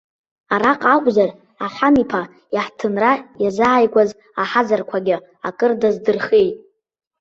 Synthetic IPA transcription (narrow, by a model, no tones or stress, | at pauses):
aɾaqʼakʷʼzar | aħʷamipʰa | jaħtʰɨnrajazaːjkʷʼaz | aħazarkʷʰaɡʲɪ | akʼɨrdazdɨrχejtʼ